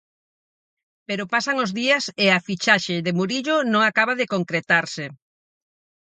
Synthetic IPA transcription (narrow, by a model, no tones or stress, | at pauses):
peɾopasaŋozðiɐsɪafit͡ʃaʃɪðɪmuɾiʎʊnõŋakaβaðɪkoŋkɾet̪aɾsɪ